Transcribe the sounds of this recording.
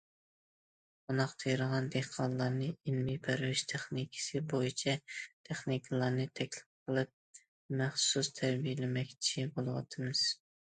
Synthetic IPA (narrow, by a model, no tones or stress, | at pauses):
unɑqt̪ʰejɾəʁɑnd̪ehqʰɑnlˠɑɾnɨinmɪjpʰæɾvɪʃt̪ʰeχnikʲʰɪ̥sɨbojit͡ʃʰɛt̪ʰeχnikʰɨlˠɑɾnɨt̪ʰɛkʲlɪp̚qʰəlˠɨp̚ | mæχsust̪ʰæɾbijɪlɪmɛkʲt͡ʃʰibolˠɨwɑ̰t̪ʰɨmɨz̥